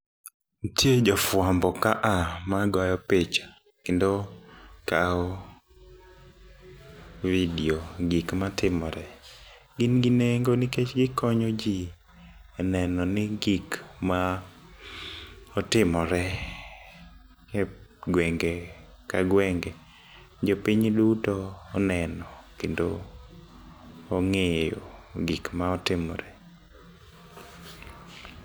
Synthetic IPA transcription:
tjed͡ʒɔfwambɔkaʔamaɡajɔpet͡ʃḁ | kendokaɔ | vidioɡikmatɪmɔɾɛ | ɡɪnɡineŋɡoniket͡ʃɡɪkɔɲɔd͡ʒi | ɛnɛnɔnɪɡikma | ɔtɪmɔɾɛ | kɛɡwɛŋɡɛ | kaɡwɛŋɡɛ | d͡ʒopiɲdutoːnɛnɔkendo | ŋejo̰ɡikmaɔtɪmɔ̰ɾɛ

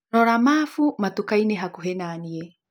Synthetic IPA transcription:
nɔɾamafumatukainɛɦakuɦɛnaːniɛ

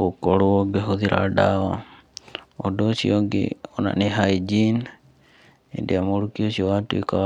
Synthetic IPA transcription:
ɔkɔɽuɔɡɛɦud̪iɾa̰ɖaɔ | ɔdɔsiɔɡɛ̰ɔna̰ʔnɛɦajd͡ʒin | ɛ̰dɛamɔɾukiɔsiɔwat̪uika

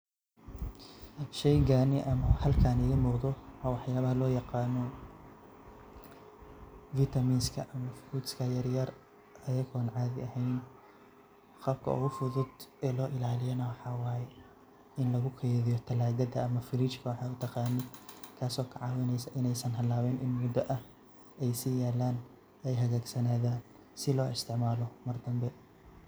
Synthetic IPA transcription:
ʃɛjɡaːnɪʔɐmɐhɐlkʰaːnɛjɐmʊqðɔwaːwɑħjaːβɐhɐlɔːjɑqɑːnɔ | vit̪ʰɐmiːnskʰɐʔɐmɐfuːt̪skʰɐjɐrjɐr | ɐjɐɣɔːnʕɑːðɪ̰ɐhɛjn | qɐb̚kʰɐ̰ʊ̰ɣʊfʊðʊd̪ɛːlɔːʔɪlaːlɪjɐnɐwɑħɑːwɑːjɛ | ɪnlɐɣʊkʰɛːðɪjɔt̪ʰɐlaːɣɐd̪ɐːmɐfɪlit͡ʃkʰɐwɑħɑːʊt̪ʰɐqɑːnɪd̪kʰaːsɔːkʰɐʕɑːwɐnɛjsɐʔɪnɛjsɐnɦɐlaːwɛnʔɪnmʊd̪ɐʔɐh | ɛjsijaːlːaːn | ɛjɦɐɣaːɡsɐnaːðaːn | sɪlɔːɪst̪ʰɪʕmaːlɔmɐrd̪ɐmbɛ

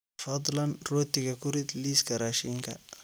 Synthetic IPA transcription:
fɑd̪ˤlɐnrɔːt̪ɪɣɐkʰʊɾɪd̪liːskʰɐɾaːʃiŋkʰɐ

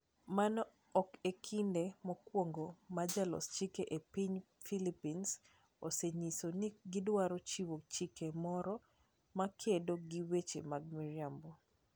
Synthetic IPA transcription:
manɔ | ɔkekʰindemɔkwoŋɡomad͡ʒalɔ̰st͡ʃikeʔepiɲfilipins | oseɲisoniɡɪdwaɾot͡ʃiwot͡ʃikemɔɾɔ | makʰedoɡiwet͡ʃḛmaɡ̚miɾiambo

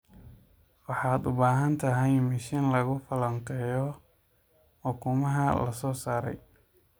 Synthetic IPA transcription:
wɑħɑːd̪ʊbaːɦɐnt̪ʰɐɦɛjmɪʃɪnlɐɣʊfɐlɐŋkʰɛːjɔ | hʊkʰʊmɐɦɐlɐ̰sɔːsaːɾɛ̰j

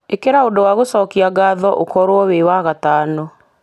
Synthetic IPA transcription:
ekeɾaodɔwaɣosɔːkiaɡaːðɔʔokɔɾwɔwewaɣataːnɔ

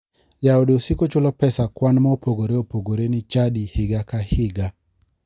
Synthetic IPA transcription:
jaodosikot͡ʃʊlɔpɛsakwanmaopoɡoɾeopoɡoɾenɪt͡ʃadihɪɡakahɪɡa

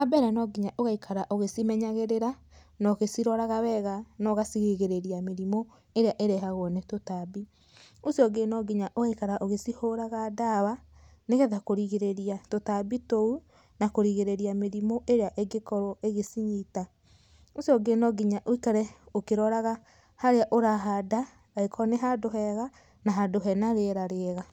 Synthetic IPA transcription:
abɛɾɛnɔɡiɲaʔoɣaikʰaɾaʔoɣesimɛɲaɣeɾeɾa | naɣesiɾɔɾaɣawɛɣanɔɣasiɣeɣeɾeɾiameɾimo | eɾeaʔeɾɛɦaɣwɔnetotaːbi | osiɔɡenɔɡiɲaʔoɣaikaɾaʔoɣesihoɾaɣadaːβaneɣɛðakoɾiɣeɾeɾiatotabitou | nakoɾiɣeɾeɾiameɾimoʔeɾeaʔeɡekɔɾɔʔeɣesiɲita | osiɔɡenɔɡiɲaʔoikaɾɛokeɾɔɾaɣa | haɾeaʔoɾaɦada | aekʰɔneɦadoɦɛɣa | naɦadoɦɛnaɾeɾaɾeɣa

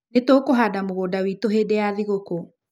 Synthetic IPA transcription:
netokoɦadamoɣodawitoɦeːdeaðiɣoko

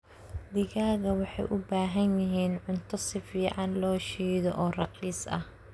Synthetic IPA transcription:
d̪ɪɣaːɣɐwɑħɑ̰jʔʊbaːɦɐnjɪɦiːnʕʊnt̪ʰɔsɪfiːʕɑnlɔːʃiːðɔʔɔːrɑqiːsɐ̰h

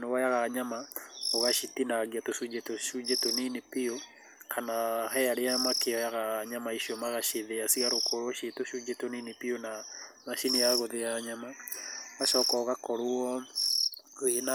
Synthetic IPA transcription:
nowajaɣaɲamaoɣaʃitinaɣiatosud͡ʒetoʃud͡ʒetoninipio | kʰanahɛjaɾeamakeɔjaɣaɲamaiʃiɔmaɣaʃeðeasiɣaɾokʰoɾwɔʃetoʃud͡ʒetoninipiona | maʃiniaɣoðeaɲamaaʃɔkɔːɣakɔɾoɔ | ena

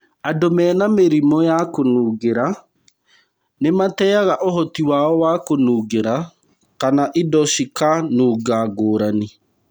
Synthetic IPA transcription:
adomɛːnameɾimɔjakonuːɡeɾa | nematɛaɣaʔoɦɔtiwaɔwakonuːɡeɾa | kanaʔidɔʃikanuːɡaɡoːɾane

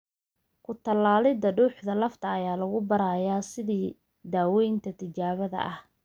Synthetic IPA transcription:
kʰʊt̪ʰɐlːaːlɪd̪ɐɖuːħd̪ɐlɐft̪ʰɐːjaːlɐɣʊbɐɾaːjaːsɪðiː | d̪aːwɛjnt̪ʰɐt̪ʰɪt͡ʃaːβɐðɐ̰ʔɐh

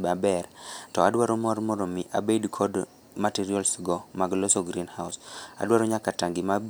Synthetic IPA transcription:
babɛrtɔadwaɾomɔrmɔɾomiʔa̰bedkʰɔd | matiɾiɔlsɡɔmaɡlosoɡɾinhawsa̰dwaɾoɲakataŋɡima

